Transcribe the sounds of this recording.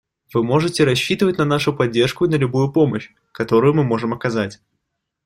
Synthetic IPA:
v̥ɨmo̞ʐɨtʲɪɾɐɕːit̪ɨvətʲnɐnaʂʊpɐdʲːe̞rʂkʊɪnəlʲʊbujʊpo̞məɕ | kɐt̪o̞ɾʊjʊmɨmo̞ʐɨmɐkɐzatʲ

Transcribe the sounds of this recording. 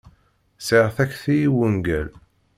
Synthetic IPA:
seʁθækːθijiwənɡæl

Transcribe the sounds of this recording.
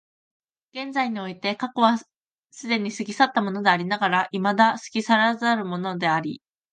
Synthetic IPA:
ɡ̥ẽ̞nd͡zaiɲ̟io̞it̪e̞kako̞βa | sɨd̪e̞ɲ̟isɨɡʲisat̪ːamo̞no̞d̪e̞aɾʲinaɡaɾaʔimad̪asɨ̥ɡʲisaɾazaɾɯ̟mo̞no̞d̪e̞aɾʲḭ

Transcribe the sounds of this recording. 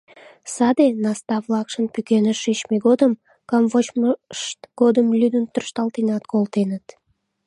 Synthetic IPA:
sɑd̪enɑst̪ɑvlɑkʃənpykenəʃet͡ɕmeɡod̪əm | kɑmvot͡ɕmʃt̪ɡ̥od̪əmlʲyd̪ənt̪ərʃt̪ɑlt̪inɑt̪kolt̪enət̪

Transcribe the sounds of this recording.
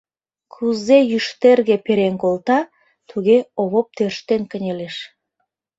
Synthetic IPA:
kʰuzejyʃt̪erɣepeɾenkolt̪ɑ | t̪ʰuɣeoβop̚t̪ørʃt̪enkənʲeleʃ

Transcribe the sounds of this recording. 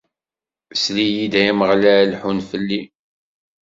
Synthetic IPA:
slijid̪æjæməʁlæɾlħunfəlːi

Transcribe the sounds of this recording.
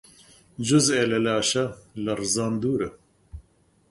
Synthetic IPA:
d͡ʒuzeːlɐlaːʃɐlɐrɨzaːnd̪uːɾɨ

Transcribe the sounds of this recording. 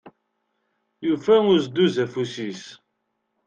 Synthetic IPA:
jufæʊzd̪uzæfusis

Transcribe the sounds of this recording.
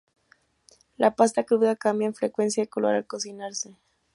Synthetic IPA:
lʔapast̪akɾuðakambjaenfɾekwe̞nsjaekolo̰ɾa̰lko̞sinaɾse

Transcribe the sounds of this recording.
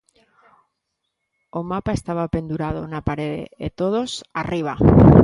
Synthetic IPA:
omapaest̪aβ̞ape̞nd̪uɾað̞onapaɾeðḛet̪oðosariβ̞a

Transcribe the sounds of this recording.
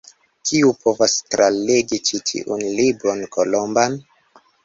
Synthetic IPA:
kiupo̞vastɾaleɡit͡ʃitʰḭʔunlibɾo̞nkolo̞mban

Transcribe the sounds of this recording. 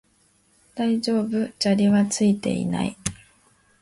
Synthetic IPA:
d̪̥aid͡ʑo̞ːbɯ̟d͡ʑaɾʲiβat͡sɨit̪e̞̰ḭna̰ḭ

